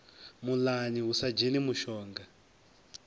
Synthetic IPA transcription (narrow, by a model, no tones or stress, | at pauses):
mulaniusad͡ʒenimuʃɔːŋɡa